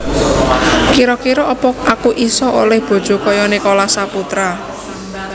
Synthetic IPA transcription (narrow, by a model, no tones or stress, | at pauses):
kiɾɔkiɾɔʔɔpɔkʔakuʔisɔʔo̰lɛhb̥o̤d̥ʒ̥o̤kɔjɔnekolasaput̪ɾa